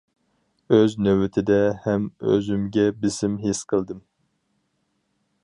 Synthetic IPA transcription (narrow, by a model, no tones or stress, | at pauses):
øznøwɪt̪ʰɪd̪ɛhɛmø̰zymɡʲɛbɪsɪmɦesqʰəlˠd̪ɨm